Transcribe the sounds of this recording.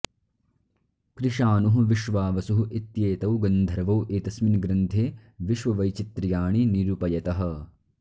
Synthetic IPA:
kɾiʃaːnuɦuʋiʃʋaːʋɐsuɦuʔit̪jeːt̪ɐwɡɐnd̪ʱɐɾɐʋɐwʔeːt̪ɐsminɡɾɐnt̪ʰeːʋiʃʋɐʋɐjt͡ʃit̪ɾɐjaːɳiniɾupɐjɐt̪ɐɦɐ̆

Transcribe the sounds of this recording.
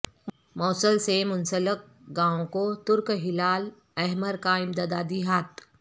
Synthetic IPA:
mɔːsəlsemʊnsələk̚ | ɡãːõkot̪ʊɾkɦɪlaːl | ɛɦməɾkaɪ̃md̪aːd̪aːd̪iɦaːt̪

